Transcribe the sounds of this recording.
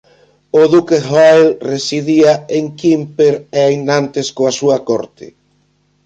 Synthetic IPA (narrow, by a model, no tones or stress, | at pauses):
oðukehajlresiðiaeŋkimpeɾeajnant̪eskoasuɐkɔɾt̪ʰɪ̰